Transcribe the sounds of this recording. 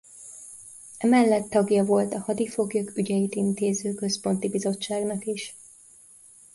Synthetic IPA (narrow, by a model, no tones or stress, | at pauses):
ɛmɛlːɛt̪ːɒɡjɒvo̞lt̪ɒhɒd̪ifo̞ɡjokyɟɛjit̪int̪eːzøːkø̞spo̞nt̪ibizo̞t͡ʃːaːɡnɒkiʃ